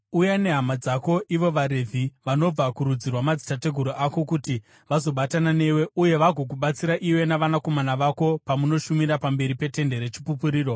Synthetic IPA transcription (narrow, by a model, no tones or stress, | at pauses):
ujane̞ɦamad͡zako̞ʔiʋo̞ʋaɾe̞vʱiʋano̞b͡vakuɾud͡zirwamad͡zitate̞ɡʱuɾoʔako̞kuti | ʋazo̞ɓatanane̞we̞uje̞ʋaɡʱo̞k̬uɓat͡siɾaʔiwe̞naʋanako̞manaʋako̞pamuno̞ʃumiɾapambe̞ɾipe̞te̞nde̞ɾe̞t͡ʃi̥pupuɾiːro̞